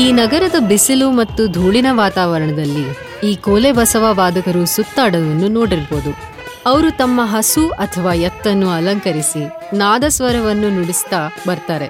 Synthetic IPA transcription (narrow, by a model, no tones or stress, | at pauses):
iːnɐɡɐɾɐd̪ɐbisilumɐt̪ːud̪ʱuːɭinɐʋaːt̪aːʋɐɾɐɳɐd̪ɐlːi | iːkoːlebɐsɐʋɐʋaːd̪ɐkɐɾusut̪ːaːɽɐʋɐnːuno̞ːɽiɾboːd̪u | ɐʋɐɾut̪ɐmːɐɦɐsuɐt̪ʰɐʋaːjɐt̪ːɐnːuɐlɐŋkɐɾisi | naːd̪ɐsʋɐɾɐʋɐnːunuɽist̪abɐɾt̪aːɾe